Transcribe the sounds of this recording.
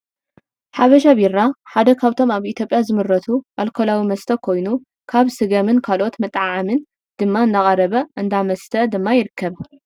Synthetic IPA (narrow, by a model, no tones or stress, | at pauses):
ħaβɐʃ̬aβiɾːaħad̪ɐkʰaβt̪ʰo̞maβit̪ʰjo̞pʼjazɨmɨɾːɐt̪ʰuʔalkʰolawimɐst̪ʰɐkʰo̞jnu | kʰaβsɨɡɐmɨnkʰalo̞t̪mɨt̪ʼːʕamɨn | d̪̥ɨmːaɨnd̪akʼɐɾɐβɐʔɨnd̪amɐst̪ʰɐd̪ɨmːajɪɾɨkʰːɐβ